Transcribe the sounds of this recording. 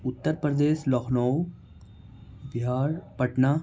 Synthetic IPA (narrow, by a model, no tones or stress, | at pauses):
ʊt̪ːəɾpɾəd̪eːʃlɔkʰnɔw | bɪɦaːɾpɐʈna